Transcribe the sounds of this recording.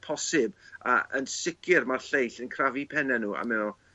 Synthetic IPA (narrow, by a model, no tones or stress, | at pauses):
pʰɔsɪbaənsɪkʰɨrmarɬejɬənkʰravipʰɛnɛnuːa̰mɪnɔ